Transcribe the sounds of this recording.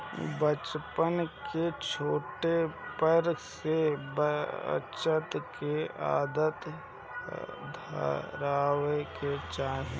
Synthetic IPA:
bət͡ʃpənket͡ʃʰoːʈepəɾsebəə̰t͡ʃət̪kea̰ːd̪ət̪ | d̪ʱɾaːweket͡ʃãː

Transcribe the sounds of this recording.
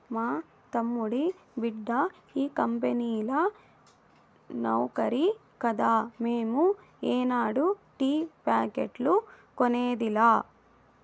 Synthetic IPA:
maː | t̪ɐmːuɽi | biɖːɐ | iːkɐmpenilɐ | nɐwkɐɾi | kɐd̪aːmeːmu | eːnaːɽuʈiːpaːkeʈlu | koneːd̪ilaː

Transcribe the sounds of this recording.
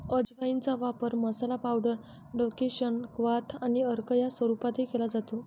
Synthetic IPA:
əd͡ʑʋaint͡saʋapəɾməsalapawɽəɾ | ɖokeɕəɳkʋat̪ʰaniəɾkəjasʋəɾupat̪ekelad͡zat̪o

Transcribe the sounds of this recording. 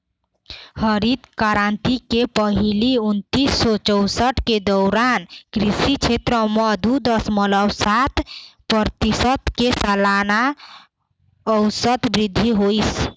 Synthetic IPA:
həɾid̪kaɾant̪ikepəɦiliunt̪isːɔt͡ʃɔwsəʈked̪ɔwɾankɾisit͡ʃʰet̪ɾəmɔd̪ud̪ʌsmələwsat̪ʰpəɾt̪isət̪kesəlana | əʊsət̪bɾid̪ʱːiɦojs

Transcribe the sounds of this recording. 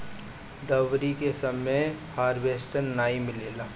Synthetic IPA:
d̪ɐʋɾikesɐmehaːɾʋeːsʈəɾnaːimɪleːlaː

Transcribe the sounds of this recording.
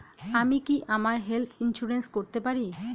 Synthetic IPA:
amikiʔamaɾɦelt̪ʰinʃuɾenskoɾt̪epaɾi

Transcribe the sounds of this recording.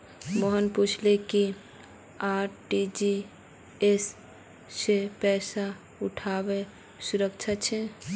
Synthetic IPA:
mɔɦənput͡ʃʰleki | aɾʈid͡ʒi | esː | epɛsa | uʈʰabe | suɾək̚t͡ʃʰat͡ʃʰɛ

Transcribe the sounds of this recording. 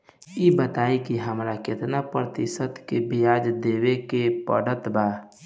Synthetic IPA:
jebət̪aːikiɦəmɾakɪt̪napɾət̪ɪsət̪kebɪjaːd͡ʒd̪eːwekepə̰ɽ̤ət̪baː

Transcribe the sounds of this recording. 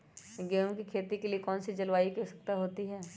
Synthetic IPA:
ɡɛːõkikʰeːt̪ikeliekɔːnsid͡ʒɐlʋaːikɛsɐ̥k̚t̪aɦoːt̪iɦɛː

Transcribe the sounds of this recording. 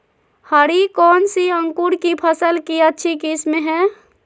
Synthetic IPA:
həɾikɔːnsiə̃ŋkuɽkipʰəsəlkiətːʃʰikismẽɦɛ̃ː

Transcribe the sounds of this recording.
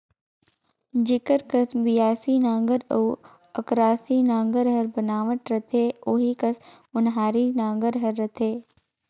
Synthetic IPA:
d͡ʒɪkəɾkəsbɪjaːsinãːŋɡəɾoː | əkɾaːsinãːŋɡəɾɦəɾbənaːʋəʈɾɐt̪ʰeːoːɦikəs | ʊnɦaːɾinãːŋɡəɾɦɐɾːət̪ʰeː

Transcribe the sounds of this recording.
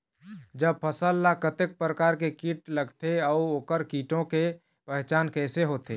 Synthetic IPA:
d͡ʒəb̚pʰəsəlːakət̪ek̚pɾəkaːɾkekiʈləɡt̪eɔuoːkəɾkiʈõke | pəɦt͡ʃaːnkɛːseɦot̪e

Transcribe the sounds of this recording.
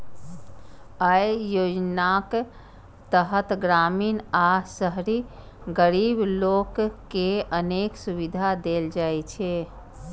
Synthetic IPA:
əjjod͡ʒnak | t̪əɦət̪ɡɾaminasəɦɾi | ɡəɾiblokːeəneksuβid̪ʱad̪eld͡ʒajt͡ʃʰɛ

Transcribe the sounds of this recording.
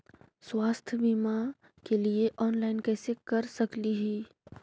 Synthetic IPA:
swaːst̪ʰbiːma | kelieʔɔːnlaːɪnkɛːsekɐɾsɐkliɦɛː

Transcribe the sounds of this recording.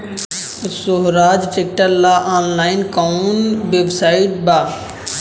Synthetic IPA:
soɦɾaːd͡ʒsek̚ʈəlːaʔaːnlaːɪnkaunʋebsaːiʈ̚baː

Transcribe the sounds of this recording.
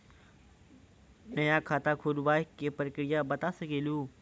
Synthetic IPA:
nɐjãːkʰaːt̪akʰoːlʋaːɦikeːpəɾkɪɽijabɐt̪asɐɡʱeːluː

